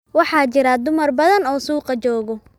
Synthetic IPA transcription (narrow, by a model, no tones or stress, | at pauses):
wɑħɑːt͡ʃɪɾɐd̪ʊmɐrbɐðɐnɔːsuːqɑt͡ʃɔːɣɔ